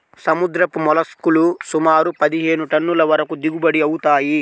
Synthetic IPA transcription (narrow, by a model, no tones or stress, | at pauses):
sɐmud̪ɾɐpumɔlɐskulusumaːɾupɐd̪iɦeːnuʈɐnːulɐʋɐɾɐkud̪iɡubɐɽiɐwut̪aːji